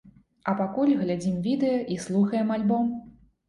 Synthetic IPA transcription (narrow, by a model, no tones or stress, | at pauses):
ɐpakulʲɣlʲad͡zʲimvʲid̪ɛjɐʔislˠuxɐjɛmalʲbɔm